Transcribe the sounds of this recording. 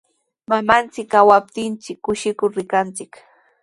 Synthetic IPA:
mamant͡sɪkawap̚t̪ɪnt͡sɪkːʊʃɪkʊɾɾɪkant͡sɪk

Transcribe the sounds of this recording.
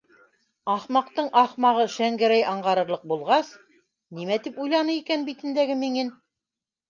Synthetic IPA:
ɑχmɑqt̪ɤɴʔɑχmɑʁɤʃæŋɡɘɾæjɑɴʁɑɾɤ̆ɾlˠɤq̚bulˠʁɑs | nimæt̪ipujlˠɑnɤikænbit̪ɘ̆nd̪æɡɘmiŋɘn

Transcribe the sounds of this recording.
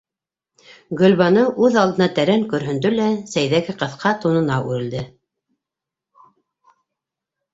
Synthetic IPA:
ɡɵ̆lʲβɑnɤʔʉðɑlˠd̪ɤ̆nɑt̪æɾæŋkɵ̆ɾɦɵ̆nd̪ɵlæsæjðæɡɘqɤ̆θqʰɑt̪unɤ̆nɑʔʉɾɘ̆ld̪ɘ

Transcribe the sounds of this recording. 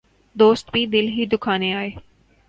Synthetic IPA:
d̪oːst̪bʱid̪ɪlɦid̪ʊkʰaːnẽaːeː

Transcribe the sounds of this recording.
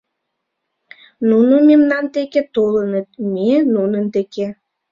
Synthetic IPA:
nunomemnɑnt̪eket̪olənət̪̚menunənd̪eke

